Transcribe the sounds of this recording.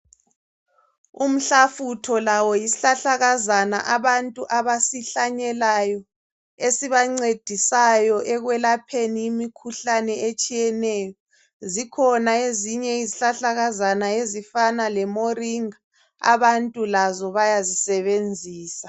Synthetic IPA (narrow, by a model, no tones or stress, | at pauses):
um̩ɬafutʰɔlawɔjisiɬaɬaɣazana̰ʔaβantʼuʔaβasiɬaɲɛlajɔ | esiβaŋ͡ǀed̥ʱisajɔʔɛɣwɛlapʰenijimikʰuɬanɛet͡ʃʼijɛnɛjɔ | zikʰɔnaeziɲɛiziɬaɬaɣazanaezifanalɛmoriŋa | a̰βantʼulazɔβajazisɛβend͡zʱiːsḁ